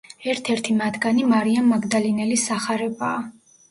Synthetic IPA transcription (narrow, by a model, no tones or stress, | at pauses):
ɛɾt̪ʰɛɾt̪ʰimat̪ʰɡanimaɾiamːaɡd̪alinɛlisːaχaɾɛbaː